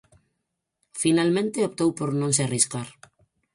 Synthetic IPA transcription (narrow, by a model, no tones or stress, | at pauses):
finalmẽnt̪eop̚t̪owpoɾnõŋseariskaɾ